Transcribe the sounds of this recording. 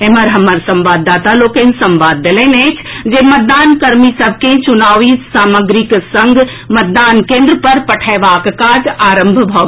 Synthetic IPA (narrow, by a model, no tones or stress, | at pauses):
eməɾɦəməɾsə̃mʋaːd̪ːaːt̪aloːkensə̃mʋaːd̪ːelẽnet͡ʃʰd͡ʒemət̪̚d̪aːnkəɾmisəb̚ʱket͡ʃʊnaːʋisaːməɡɾiksə̃ŋɡ | mət̪̚d̪aːnkẽːnd̪ɾəpəɾpəʈʰɛʋaːkkad͡ʒaːɾəmbʱbʱɔ